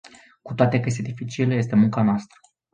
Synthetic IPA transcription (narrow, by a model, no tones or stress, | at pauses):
ku̥t̪oat̪ekəjest̪ed̪ifit͡ʃilje̞s̬t̪emuŋkanoast̪ɾə̥